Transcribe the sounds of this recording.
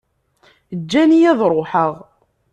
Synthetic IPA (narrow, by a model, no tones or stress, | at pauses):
d͡ʒːænijæðˤɾˤoħəʁ